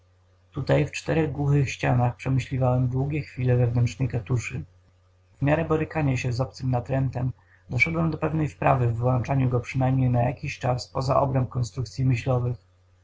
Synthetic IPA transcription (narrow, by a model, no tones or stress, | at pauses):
t̪ut̪ajft͡ʂt̪ɛɾɛɣɡwuxɘxɕt͡ɕanaxpʂɛmɘɕlʲivawɛmd̪wuɡʲɛxfʲilɛvɛvnɛntt͡ʂnɛjkat̪uʂɘ | vmʲjaɾɛbɔɾɘkaɲaɕɛzɔp̚t̪sɘmnat̪ɾɛnt̪ɛm | d̪ɔʂɛd̪wɛmd̪ɔpɛvnɛjspɾavɘvwant͡ʂaɲuɡɔpʂɘnajmɲejnajakʲiɕt͡ʂaspɔza̰ʔɔ̰bɾɛmp̚kɔnst̪ɾukt̪sʲjimɘɕlɔvɘx